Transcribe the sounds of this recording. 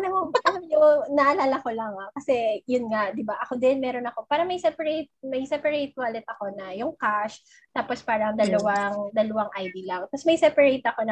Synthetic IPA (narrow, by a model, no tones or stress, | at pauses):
nɐmopɐt̪ɐmjʊŋnɐʔɐlaːlɐko̞lɐŋakɐsɛjʊnŋaʔd̪ɪbaʔɐko̞d̪ɪnmɛːɾonɐko̞paːɾɐmɐjsɛpɐɾejt̪̚mɐjsɛpɐɾejt̪̚walɪt̪̚ʔɐko̞nɐjʊŋkaʃ | t̪aːpo̞spaːɾɐŋd̪ɐlɐwaŋd̪ɐlɐwaŋʔɐjd̪ilɐŋt̪ɐsmɐjsɛpɐɾejt̪ɐko̞nɐ